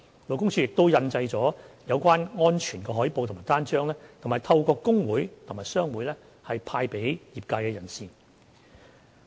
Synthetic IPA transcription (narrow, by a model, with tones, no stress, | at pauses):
lo˨wkʊ˥ŋt͡sʰyː˧jɪ˨k̚t̪o˥wjɐ˧nt͡sɐ˧jt͡sɔː˨˥jɐ˨˧wkʷaː˥nŋɔː˥nt͡ʃʰyː˨˩nkɛː˧˩ɦɔː˨˥jpo˨˧wt̪ʰmaː˨˩jt̪aː˥nt͡ʃœː˥ŋlɛː˥t̪ʰo˨˩ŋmaː˨˩jt̪ʰɐ˧wkɔː˧kːʊ˥ŋwuː˨˥jt̪ʰʊ˨˩ŋmaː˨jsœː˥ŋwuː˨˥jlɛː˥ | hɐ˨jpʰaː˧jpe˨˥jjiː˨p̚kaː˧jkɛː˧jɐ˨˩nsiː˨˧